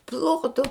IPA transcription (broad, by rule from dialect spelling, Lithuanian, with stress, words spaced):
ˈplˠoːtʊ